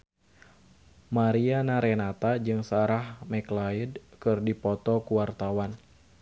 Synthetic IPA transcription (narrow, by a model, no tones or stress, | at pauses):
maɾianaɾɛnat̪ad͡ʒɨŋsaɾahmɛklaidkɨrdipɔt̪ɔkuwart̪awan